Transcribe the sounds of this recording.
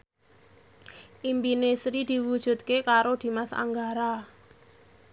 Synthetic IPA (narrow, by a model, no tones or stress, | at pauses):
ʔimpinesɾid̪̥i̤wud̥ʒ̥ṳt̪̚kekaɾod̪̥i̤masa̰ŋɡaɾa